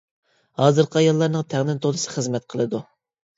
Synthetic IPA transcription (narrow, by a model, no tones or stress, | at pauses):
hɑːzɨɾqʰəɑjɑlˠːɑɾnɨŋt̪ʰɛŋd̪ɪnt̪ʰod̪ɨsɨ̥χəzmɛt̪̚qʰəlˠɨd̪u